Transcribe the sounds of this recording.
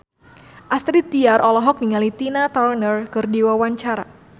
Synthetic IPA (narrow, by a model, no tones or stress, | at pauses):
ʔast̪ɾit̪iaɾʔɔlɔɦɔk̚niŋalit̪inat̪ɔrnərkɨrdiwawaɲt͡ʃaɾa̰